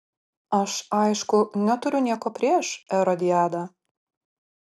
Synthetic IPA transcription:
ɐʃɐɪʃkʊnʲɛt̪ʊɾʲʊnʲiɛkoːpʲɾʲiɛʃɛɾɔd̪ʲɪjæːd̪ɑ

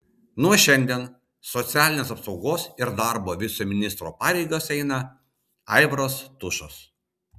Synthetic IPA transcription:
nuɔʃʲɛnʲd̪ʲiɛn | sɔt̪sʲæːlʲɪnʲeːsɐpsɒʊɡoːsɪɾd̪ɑˑɾboːʋʲɪsumʲɪnʲɪst̪ɾo̰ːpɑːɾʲɛɪɡosɛɪnɐ | ɑ̰ɪʋɾoːst̪ʊʃos

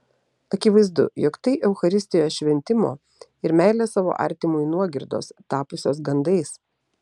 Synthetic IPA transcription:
ɐkʲɪʋɐɪzd̪ʊ̰joːkt̪ɐɪʔɛʊxɐɾʲɪsʲt̪ʲɪjoːʃʲʋʲɛnʲt̪ʲɪmo̰ː | ɪɾmʲæˑɪlʲeːsɑːʋo̰ːʔɐ̰ˑɾʲt̪ʲɪmʊɪnuɔɡʲɪɾd̪o̰ːst̪ɑːpʊsʲoːs̬ɡɐnd̪ɐɪs

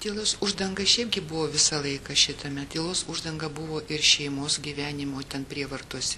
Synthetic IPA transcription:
t̪ʲeːlˠoːsʊʒd̪ɐŋɡɐʃʲɛɪp̚ɡʲɪbʊʋoːʋʲɪsɐlˠɐɪkɐʃʲɪt̪ɐmʲɛt̪ʲeːlˠoːsʊʒd̪ɐŋɡɐbʊʋoːʔɪrʃʲɛɪmoːsɡʲiːʋʲæːnʲɪmoːt̪ʲɛnpʲɾʲiɛʋɐrt̪uɔsʲɛ

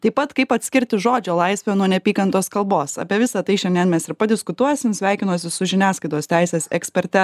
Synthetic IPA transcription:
t̪ɐɪpːɐt̪kɐɪpɐt̪ʲsʲkʲɪɾʲt̪ʲɪʒoːd͡ʒʲoːlˠɐɪsʲʋʲɛnuɔnʲɛpʲiːkɐnt̪oːskɐlˠboːsɐ̰pʲiɛʋʲɪsɐt̪ɐɪʃʲɛnd̪ʲɛnmʲɛsɪɾpɐd̪ʲɪskʊt̪uɔjɛsʲɪmsʲʋʲæˑɪkʲɪnuːsʲɪsʊʒʲɪnʲæːskɐɪt̪oːst̪ʲæɪsʲeːsɛ̰ksʲpʲɛɾʲt̪ʲɛ

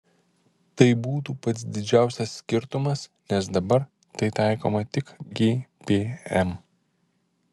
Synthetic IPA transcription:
t̪ɐɪbuːt̪uːpɐt̪sd̪ʲɪd͡ʒʲæˑʊsʲɛsːʲkʲɪɾt̪ʊmɐsnʲɛsd̪ɐbɐɾ | t̪ɐɪt̪ɑˑɪko̰ːmɐt̪ʲɪkɡʲeːpʲeːɛm

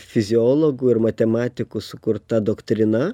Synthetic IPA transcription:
fʲɪzʲɪoːlˠoːɡuːɪɾmɐt̪ʲɛmɑːt̪ʲɪkusʊkʊɾt̪ɐd̪oːkt̪ʲɾʲɪnɐ

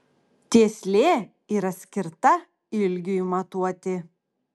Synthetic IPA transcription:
t̪ʲeːsʲlʲeː | iːɾɐsʲkʲɪɾt̪ɐ | ɪlʲɡʲʊmɐt̪uɔt̪ʲɪ

